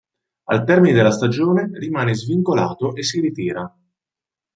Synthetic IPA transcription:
a̰lt̪ɛrmined̪elːast̪ad͡ʒoːnerimaːnezviŋkola̰ːt̪oʔesːiɾit̪iːɾa

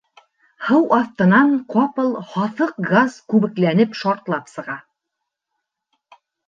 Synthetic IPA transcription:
hɤwɑθt̪ɤ̆nɑɴqɑpɤlˠhɑθɤq̚ɡaz̥kʉβɘ̆klænɘpʃɑɾt̪lˠɑpsɤ̆ʁɑ

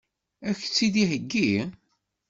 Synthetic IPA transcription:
æçt͡sːid̪ihəɡːi

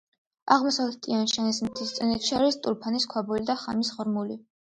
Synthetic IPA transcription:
aʁmɔsavlɛt̪ʼianʃanis̬mt̪ʰist̪sʼɛnɛt̪ʃiaɾist̪ʼuɾpʰaniskʰwabulid̪aχa̰misʁɔɾmuli

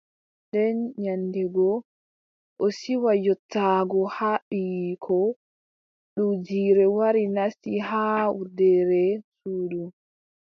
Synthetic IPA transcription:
ndɛnɲandɛɡɔ | ʔɔsiwajɔtːaɡɔhaɓijkʰɔ | ɗud͡ʒiːɾɛwaɾinasihawudɛɾɛsuːɗu

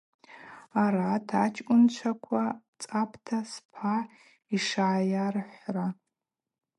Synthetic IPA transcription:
aɾatʰat͡ʃʰʼkʷʼʊnt͡ʃʷʰakʷʰa | t͡sʼapʰtʰaspʰa | iʂajarħʷra

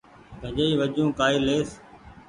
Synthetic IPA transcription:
kəʄəiːʋəʄũːkaːiːleːs

